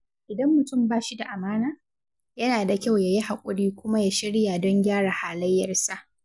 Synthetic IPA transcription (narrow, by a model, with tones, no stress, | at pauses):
ʔɪ˨dɐ˦mːʊ˨tʊ˦˨mbaː˦ʃi˦da˨ʔa˨maː˦naː˦ | jɐ˦naː˨da˨kʲa˦˨wja˨ji˦ha˨kʷʼʊ˦ɽiː˦kʷʊ˦ma˦ja˦ʃɪ˦ɽja˨dɔ˦ŋɡʲaː˦ɽa˨haː˨lɐ˦jːɐ˨rsa˦ʔ